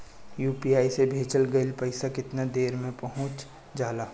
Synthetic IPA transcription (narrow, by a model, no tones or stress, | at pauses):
juːpiaːisebʱeːt͡ʃəlɡɐɪlpɐɪsakɪt̪nad̪eːɾmẽpɐɦʊ̃t͡ʃ | d͡ʒaːlaː